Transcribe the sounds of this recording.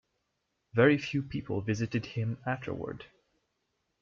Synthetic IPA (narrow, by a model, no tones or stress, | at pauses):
vɛɹifjʉpʰipʰl̩ˠvɪzɨɾɨd̚ɪ̃mæftʰə̰˞wə̰˞d̥